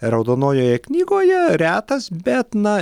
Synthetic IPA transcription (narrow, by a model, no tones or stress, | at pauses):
ɾɐʊd̪oːnoːjoːjɛknʲiːɡoːjɛɾʲæːt̪ɐsbʲɛt̪nɐ